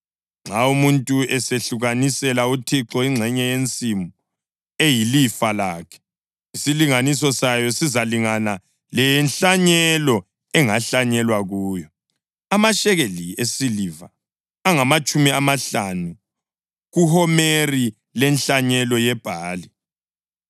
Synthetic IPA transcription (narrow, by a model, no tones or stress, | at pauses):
ŋ͡ǁʱaumuntʼuɛseɬuɣanisɛlautʰiǁɔiŋ͡ǀʱɛɲɛjent͡sʼimu | ejilifalaːkʰɛ̥ | isiliŋanisɔsajɔsizaliŋana | lɛnɬaɲɛlɔ | ɛŋaɬaɲɛlwaɣuːjɔ | amaʃɛɣeliesiliva | aŋamat͡ʃʼumiamaɬanu | ɣuhɔmeri | lɛnɬaɲɛlɔjɛb̥ʱaːli